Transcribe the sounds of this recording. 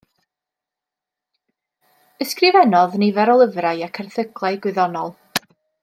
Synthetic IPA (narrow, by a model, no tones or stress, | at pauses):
əskrɪvɛnɔðnivɛɾɔlˠəvrajakʰɛrθəɡlˠajɡwɨðɔnɔlˠ